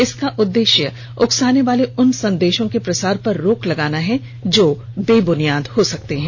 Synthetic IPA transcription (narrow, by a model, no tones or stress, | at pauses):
ɪskaʔʊd̪ːeːʃjə | ʊksaːneʋaːleʊnsɐ̃nd̪eːʃõkepɾɐsaːɾpɐɾːoːklɐɡaːnaɦɛ | d͡ʒoː | beːbʊnijaːd̪hosɐkt̪eɦɛ̃ː